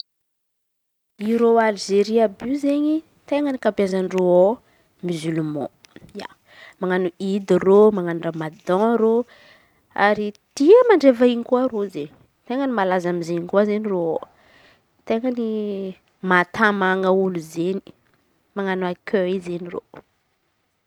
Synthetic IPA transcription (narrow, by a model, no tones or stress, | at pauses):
iɾoalʒeɾiabyzeɲi | t̪eŋənikapjazanroo | mizulumɔ̰̃ | ja̰ | maŋanuid̪iromaŋanuramad̪ɔ̃ɾo | a̰ɾid̪̥iəmaɳɖ͡ʐevaiɲikuaɾoze | t̪eŋənimalazamizeɲikuazeniroo | t̪eŋəni | mat̪amaŋəuluzeni̥ | maŋanuakʰøizeniro̰